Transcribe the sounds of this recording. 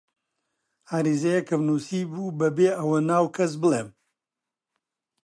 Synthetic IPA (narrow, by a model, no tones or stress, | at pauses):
aːɾizɐjɐkʰɐmnuːsiːbuːbɐbeːʔɐwɐnaːwkʰɐs̬bɨlˠeːm